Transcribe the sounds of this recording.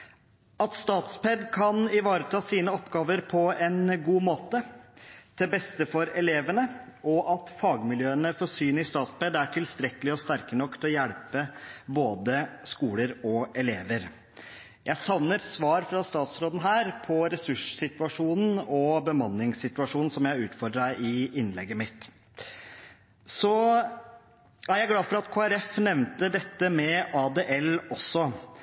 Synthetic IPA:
ɑt̪st̪ɑːt̪spɛd̪kʰɑnɪʋɑːɾət̪ʰɑːsiːnəɔpːɡɑːʋəɾpʰɔɛnɡuːmoːt̪ət̪ʰɛbɛst̪əfɔɾɛleːʋəɳəɔʔɑt̪fɑːɡmɪljøːənəfɔsyːnɪst̪ɑːt̪spɛd̪æʈʰɪlst̪ɾɛkəlɪɔst̪æɾkənɔkːt̪ʰɔjæɽpəboːd̪əskuːləɾɔɛleːʋəɾ | jʔæɪsɑʋnəɾsʋɑːɾfɾɑst̪ɑːt̪sɾoːd̪n̩ɦæːɾpʰɔɾɛsʉʂsɪt̪ʉɑʂuːnn̩ɔbəmɑnːɪŋsɪt̪ʉɑʂuːnn̩sɔmjæɪʉːt̪fɔɾɖɾæʔɪɪnlɛɡːəmɪt̪ | sɔ | æɾjæɪɡlɑːfɔɾɑt̪kʰoːæɾɛfnɛʋnt̪əd̪ɛt̪ːəmɛɑd̪eːʔɛlɔsɔ

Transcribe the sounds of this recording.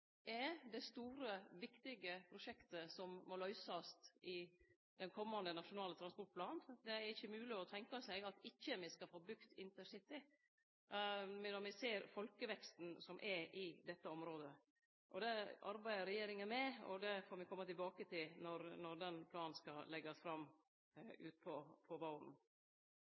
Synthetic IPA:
ɛd̪ɛst̪uːɾəʋɪkt̪ɪɡəpʰɾʊʂɛkt̪əsɔmmɔlœʏsɑst̪ʔɪ | d̪̥ɛnkʰɔmːɑnd̪ənɑʂʊnɑːlət̪ɾɑnspɔʈ̚pʰlɑːnd̪ɛæɾɪçːəmʉːlɪɔt̪ʰɛŋkɑsɛɪɡɑt̪ɪçːəmɛskɑfoːbʉkt̪ɪnt̪əʂɪt̪ɪ | mɛnɔmɪseːɾfɔlkəʋɛkst̪n̩sɔmʔɛɾɪd̪ɛt̪ːəɔmɾoːd̪ə | ʔɔ̰d̪ɛʔɑ̰ɾbæɪəɾɛjeːɾɪŋənmɛɔ̰d̪ɛfoːɾmɪkʰɔmːət̪ɪlbɑːkət̪ʰɪlnɔɾnɔɾd̪ɛnpʰlɑːnskɑlɛɡɑsfɾɑmː | ʉ̰ːt̪̚pʰɔpʰɔʋɑʊɾn̩

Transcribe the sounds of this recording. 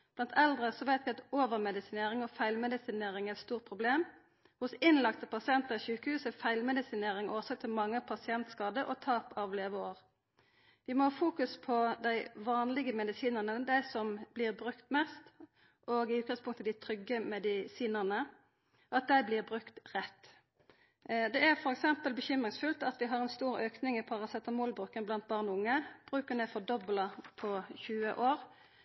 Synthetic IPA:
b̥lɑnt̪ʰɛld̪ʁəsɔʋæɪt̪ʋɪɑt̪oːʋəʁmɛd̪ɪsɪneːʁɪŋɔfæɪlmɛd̪ɪsɪneːʁɪŋæt̪st̪uːʁt̪̚pʰʁʊbleːm | hʊsɪnlɑkt̪əpʰɑsɪɛnt̪əʁɪçʉːkəhʉːsəfæɪlmɛd̪ɪsɪneːʁɪŋʔoːsɑk̚t̪ʰɪlmɑŋːəpʰɑsɪɛnt̪skɑːd̪əʔɔ̰t̪ʰɑːpɑʋleːʋəoːʁ | ʋɪmɔhɑːfuːkʉspʰɔd̪æɪʋɑːnlɪɡəmɛd̪ɪsiːnəʁnəd̪æɪsɔmb̥lɪːʁbʁʉkt̪mɛst̪ | ʔoːɡɪʉːt̪̚ɡɑŋspʊŋkt̪ʰəd̪æɪt̪ʰɾʏɡːəmɛd̪ɪsiːnəʁnə | ʔɑt̪̚d̪æɪblɪʁbʁʉkt̪ʁɛt̪ː | d̪ɛæʁfɔʁɛksɛmpəlbəçʏmʁɪŋsfʉlt̪ɑt̪ʋɪɦɑʁɛnst̪uːʁøːknɪŋɪpʰɑʁɑsɛt̪ːəmoːlbʁʉːkːənblɑnt̪̚bɑʁnɔʊŋːəb̥ʁʉːkənɛfɔd̪ɔbləpʰɔçʉːəʔoːʁ

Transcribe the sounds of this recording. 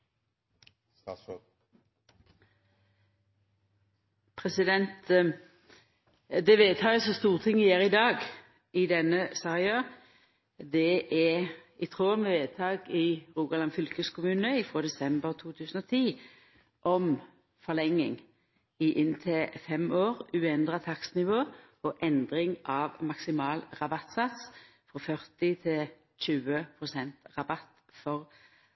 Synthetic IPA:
pʰʁɛsɪd̪ɛnt̪ | d̪ɛʋeːt̪ʰɑːəsɔst̪uːʁt̪ʰɪŋːɪjeːʁɪd̪ɑːɡ | ɪd̪ɛnəsæːʁɪɑ | d̪ɛɛɪt̪ʰʁoːməʋeːt̪ʰɑːɡɪʁuːɡɑlɑnfʏlkəskʰʊmʉːnəɪfʁoːd̪ɛsɛmbəʁt̪ʰuːt̪ʰʉːsən̩ɔt̪ʰiː | ʔɔm | fɔlɛŋːɪ̰ŋ | ɪʔɪnt̪ʰɪfɛmoːʁʉːɛnd̪ʁɑt̪ʰɑksnɪʋoː | ɔʔɛnd̪ʁɪŋʔɑʋmɑksɪmɑːlʁɑbɑt̪sɑt̪s | fɔfœʁt̪ɪt̪ʰɪl | c͡çʉːəpʰʁʊsɛnt̪ʁɑbɑt̪ | fɔʁ

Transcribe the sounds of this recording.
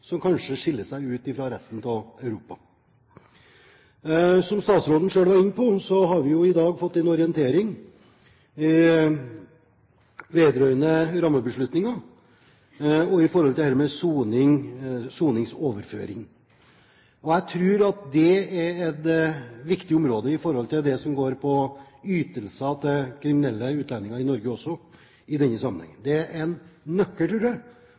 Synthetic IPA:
sɔmkʰɑnʂəʂɪlːəʂæɪʉːt̪ɪfɾɑɾɛst̪n̩t̪ʰɪlɑʉɾuːpɑ | sɔmst̪ɑːt̪sɾoːd̪ən̩ʂøːlʋɑɾɪnːəpʰɔsɔɦɑɾʋɪjʊɪd̪ɑːɡfɔt̪ːɛnɔɾɪɛnt̪ʰeːɾɪŋ | ɪ | ʋeːd̪ɾœʏnəɾɑmːəbəʂɭʉt̪nɪŋɑ | ɔɪfɔɾhɔlt̪ɪlhæːɾmɛsuːnɪŋsuːnɪŋsoːʋəɾfø̰ːɾɪ̰ŋ | ɔæɪt̪ʰɾʉːɾɑt̪̚d̪ɛɛɾɛt̪ʋɪkt̪ɪʊmɾoːd̪əɪfɔɾhɔlt̪ɪld̪ɛsɔmɡoːɾpʰɔ | yːt̪əlsɑt̪ʰɛkʰɾɪmɪnɛlːəʉːt̪lɑnːɪŋɑɾɪnɔɾɡəɔsːɔ | ɪd̪ɛnːəsɑmənhɛ̰ŋːənd̪ɛæɾʔɛnːœkːəlt̪ʰɾuːɾd̪ɛ

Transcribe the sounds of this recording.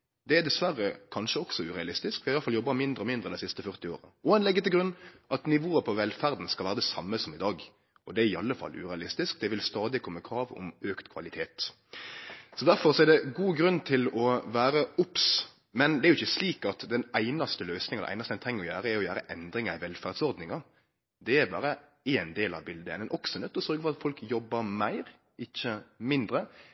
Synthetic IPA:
d̪̥ɛæd̪ɛsʋærːəkʰɑnʃəɔksɔʉːʁɛɑlɪst̪ɪskʋɪɑjɑlfɑljɔbːɑmɪnd̪ɾəɔmɪnd̪ɾʁəd̪ɛsɪst̪əfœɾt̪ɪo̰ːɾəɔɛnlɛɡːət̪ɪɡɾʉnːʔɑt̪nɪʋoːəpʰɔʋɛlfæɾd̪n̩skɑlʋæːɾəd̪ɛsɑmːəsɔmɪd̪ɑːɡ | ɔd̪ɛæɾɪɑlːəfɑ̰lːʉ̰ɾɛɑlɪst̪ɪsk̚d̪ɛʋɪlst̪ɑːd̪ɪkʰɔmːəkʰɾɑːʋɔ̰møːkt̪kʰʋɑ̰lɪt̪ʰeːt̪ | sɔd̪æɾfɔɾsɔɛɾd̪ɛɡuːɡɾʉnːt̪ʰɪlɔʋæːɾəʊps | mɛnd̪ɛæɾjʊɪçːəsliːkɑt̪d̪ɛnæɪnɑst̪əløːsnɪŋɑnd̪ɛʔæ̰ɪnɑst̪ɛnt̪ʰɛŋːəɾɔjæːɾəɛɾjɔjæːɾəʔɛnd̪ɾɪŋɑɪʋɛlfæɾd̪sɔɾd̪nɪŋɑ | d̪ɛæɾbɑ̰ːɾə | eːnd̪eːlɑ̰ʋbɪld̪əɛ̰nɛnʔɔksɔnɛt̪ːɔsœɾɡəfɔɾɑt̪fɔlkjɔbːəɾmæɪɾ | ɪçːəmɪnd̪ɾə

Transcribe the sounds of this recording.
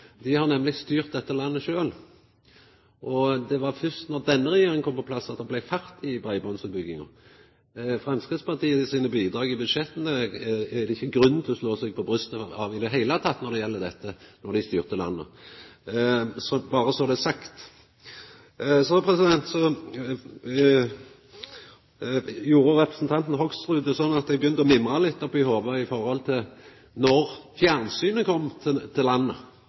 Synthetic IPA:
d̪ɪhɑɾnɛmlɪst̪yːʁt̪̚d̪ɛt̪ːəlɑnːəʃøːl | ʔɔd̪ɛʋɑɾfʏst̪nɔʁd̪ɛnːəɾɛjeːɾɪŋkɔmpɔpʰlɑsːɑt̪̚d̪ɑblæɪfæɾt̪ʰɪbʁæɪbɔnsəbʏɡːɪŋɑ̰ | fɾɑmskɪːd̪spɑt̪iːəɪsiːnəbiːd̪ɾɑːɡɪbʉd̪ʃɛt̪ənəæd̪ɛɪçːəɡɾʉnn̩t̪ʰɪlɔsloːsɛɡ̚pʰɔbɾʁʉst̪əɑːʋɪd̪ɛɦæɪlət̪ʰɑt̪ːnɔɾd̪ɛjɛlːəd̪ɛt̪ːənɔɾd̪ɪst̪yːʁt̪əlɑ̰nːə̰ | sɔbɑːɾəsɔd̪ɛsɑkt̪ | sɔpʰɾɛsɪd̪ɛnt̪sɔ | juːɾəɾɛpɾəsn̩t̪ʰɑnt̪n̩ɦɔkst̪ʁʉːd̪ɛsɔnːɑt̪̚d̪ɛbəjʏnt̪əɔmɪmːʁalɪt̪ːɔpʰɪhoːʋəɪfɔɾhɔlt̪ʰɪl | nɔɾfjæʁnsyːnəkʰɔmːt̪ʰɪt̪ʰɪlɑnːə

